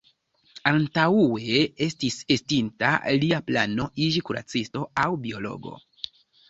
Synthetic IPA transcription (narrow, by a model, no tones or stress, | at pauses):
antauwe̞estise̞stinta̰liapla̰no̞ʔid͡ʒikuɾa̰t͡sisto̞awbio̞lo̞̰ɡo̞̰